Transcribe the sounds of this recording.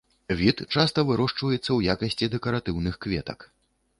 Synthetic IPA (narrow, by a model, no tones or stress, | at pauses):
vʲit̪t͡ʂast̪ɐvɨɾɔʂt͡ʂvɐjɛt̪sːɐwjakɐsʲt͡sʲid̪ɛkɐɾat̪ɨwnɨxkvʲɛt̪ɐ̰k